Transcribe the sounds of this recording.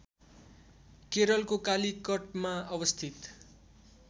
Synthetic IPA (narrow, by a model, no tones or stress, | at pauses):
keɾʌlkokalikʌʈ̚maʌbʌst̪ʰit̪